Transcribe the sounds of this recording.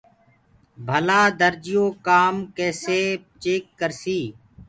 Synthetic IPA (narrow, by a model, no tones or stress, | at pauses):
bʱəlaːd̪əɾd͡ʒɪjoːkaːmkeːseː | t͡ʃeːkːəɾsiː